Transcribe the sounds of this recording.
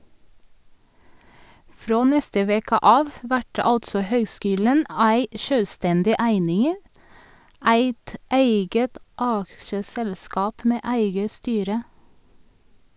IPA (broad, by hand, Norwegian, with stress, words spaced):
ˈfɾoː ˈnɛstə ˈʋeːkə ˈʔɑːʋ ˈʋæʈ ə ˈɑltsɔ ˈhœʏˌskyːlən ˈæɪ ˈʃøːˌstɛndɪ ˈæɪnɪŋ ə ˈæɪt ˈæɪɡət ˈʔɑkʃəˌsɛlˌskɑːp ˈmeː ˈʔæɪɡə ˈstyːɾə